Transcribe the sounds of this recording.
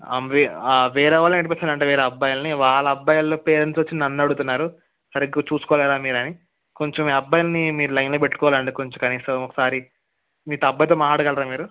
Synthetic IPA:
ɐ̰mʋiʋɛːɾɐʋaːlɐnɐʈipeːst̪anɐɳʈ̬eʋeːɾeɐbːajɐlniʋaːɭɐɐbːɐjɐlːoːpeːɾɐnt̪ʋɐt͡ʃːinnɐnːɐɽut̪unːaːɾu | sɐɾiɡɐt͡ʃuːsu̥kɔːlɛːɾaːmiːɾɐni | ko̞ɲt͡ʃomiɐbːɐjlɐnimiːɾulɐjnloːpe̞ʈːu̥kɔːʋaːlɐɳɖikoɲt͡ʃokɐniːsɐmɔkɐsaːɾi | miːt̪ɐbːɐjt̪oːmaːɽɐkɐlɐɾaːnmiːɾu

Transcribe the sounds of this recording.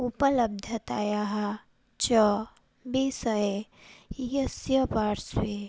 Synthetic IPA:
upələb̚d̪ʱɐt̪a̰jaɦa | t͡ʃɔ | bisəe | jəsjəpaɾswe

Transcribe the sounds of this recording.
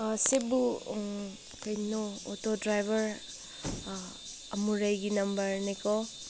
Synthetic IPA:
asebu | kɐjnɔːtodɾajbʱɐɾ | ɐmuɾajɡinɐmbɐɾnikʰɔ

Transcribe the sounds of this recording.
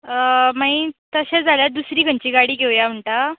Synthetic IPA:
maĩt̪əɕad͡zʱaljad̪usɾiːɡʱəɲt͡ɕiːɡaɽiːɡʱeʋjam̤əɳʈa

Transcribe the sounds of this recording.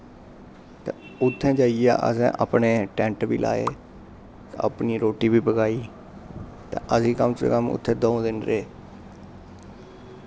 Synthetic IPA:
t̪ḛ̃ːʊt̪ʰːɛ̃ːd͡ʒaːia̰ːʔə̰sɛ̰̃ːʔə̰ːpneːʈɛ̃ːɳʈbḭːlʔa̰ːḛː | t̪ːəpniːɾoːʈiːbiːpəɡaːiː | t̪ḛ̃ːʔəsĩːkəmt͡ʃḛːkəmʊ̰t̪ʰːẽːd̪õːd̪ɪnɾeː

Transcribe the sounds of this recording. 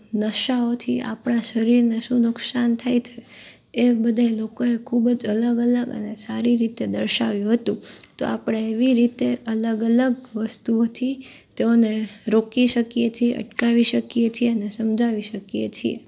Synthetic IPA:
nəʃaot̪ʰia̰pɳaʃəɾiɾneʃũnʊksant̪ʰajt̪ʰe | ebəd̪ʱaelokoekʰubəd͡ʒələɡələɡə̰nesaɾiɾit̪ed̪əɾʃaʋjũɦət̪ũt̪o̰apɽ̃eeʋiɾit̪eʔələɡələɡʋəst̪uot̪ʰi | t̪eoneɾokiʃəkijet͡ʃʰieʔə̰ʈkaʋiʃəkijet͡ʃʰieənesəmd͡ʒʱaʋiʃəkjet͡ʃʰiḛ

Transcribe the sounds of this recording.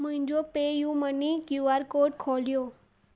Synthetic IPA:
m̤əɪɲd͡ʒopejũmənikjuaɾkoʈ̚kʰoljo

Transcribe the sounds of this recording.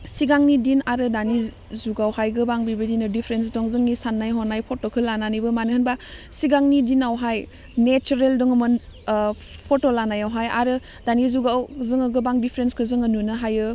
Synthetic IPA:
siɡaŋnidinaɾɯdani | zuɡawhajɡɯbaŋbibɯdinɯdipʰɾens̬dɔŋzɯŋnisanːajɦɔnajpʰotokʰɯlːananibɯmanɯhɯnbasiɡaŋnidinawɦaj | net͡ʃuɾeldɔŋɯmɯn | pʰotolanajawɦaja̰ɾɯ | d̥anizuɡawzɯŋaɡɯbaŋdipʰɾenskʰɯzɯŋənunɯɦajɯ

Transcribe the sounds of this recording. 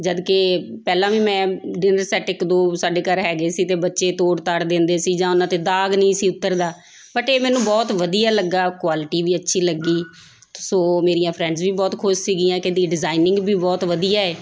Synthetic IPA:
d͡ʒəd̪keːpɛːlãːʋiːmɛ̃ːɖɪnəɾsɛːʈɪkd̪õːsaːɖeːkəɾɦɛːɡeːsiːt̪eːbətːʃeːt̪oːɽt̪aɽd̪ẽːnd̪eːsiːd͡ʒãːʊnãːt̪eːd̪aːɡnəĩːsiːʊt̪ːəɾd̪aː | bəʈeːmɛːnũːbɔːt̪ʋəd̪ijaːləɡːaːkwaːlɪʈiːʋiːətːʃʰiːləɡːiː | soːmeːɾijãːpʰɾɛ̃ːɳɖzʋiːbɔːt̪kʰʊʃsiːɡijãːkɪd̪iːɖɪzaːinɪ̃ŋɡbʱiːbɔːt̪ʋəd̪ijaːɛː

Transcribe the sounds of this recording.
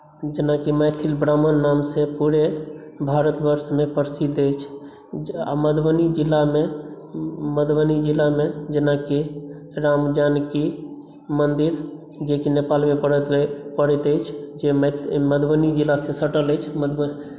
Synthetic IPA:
d͡ʒenakiməjt̪ʰilbɾamənːamsẽpuɾebʱaɾət̪bəɾsmepəɾsid̪et͡ʃʰ | a̰məd̪bənid͡ʒilːame | məd̪bənid͡ʒilamed͡ʒenaki | ɾamd͡ʒanki | mənd̪iɾ | d͡ʒekinepalmepəɽpəɽɛt̪əjt͡ʃʰd͡ʒeməd̪bənid͡ʒilːasẽsəʈələt͡ʃʰməd̪

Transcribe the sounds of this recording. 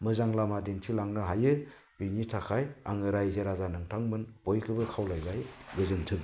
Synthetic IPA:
mɯzaŋlamadentʰilaŋnɯɦajɯ | binitʰakʰaja̰ŋɯɾajzeɾazanɯŋtʰaŋmɯnb̥ojkʰɯbɯkʰawlajbajbɯzɯŋtʰɯk

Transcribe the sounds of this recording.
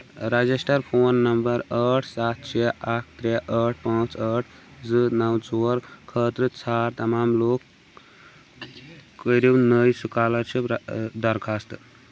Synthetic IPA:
ɾəd͡zisʈəɾpʰoːnːəmbəɾəʈʰsat̪̚ʰt͡ʃʰeakʰt̪ɾeʔəʈʰpãːt͡səʈʰd͡zɨnəwt͡soɾkʰət̪ɾɨt͡sʰaɾt̪ɐmamlok | əɾewnəjsukaləɾt͡ʃʰid̪əɾkʰast̪

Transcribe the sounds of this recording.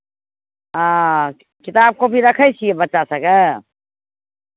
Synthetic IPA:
ã | kit̪ab̚kopiɾəkʰəjt͡ʃʰiebətːʃasə̃ke

